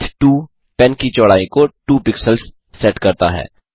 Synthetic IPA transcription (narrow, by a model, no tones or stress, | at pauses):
t̪ʰʈuː | pɛ̃nkit͡ʃɔːɽaːĩkoʈuːpɪksəlsː | ɛʈkɐɾt̪aɦɛ̰ː